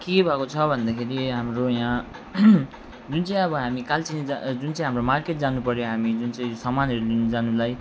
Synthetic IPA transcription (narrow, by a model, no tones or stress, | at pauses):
kebʱakot͡sʰʌbʱʌnd̪akʰeɾiɦamrojã | d͡zunt͡sʌĩʌbʌɦamikalt͡sinid͡zd͡zunt͡sãj̃ɦamromarkeʈd͡zanupʌɾjoɦamid͡zunt͡sãĩsʌmanʌɾulund͡zanulaj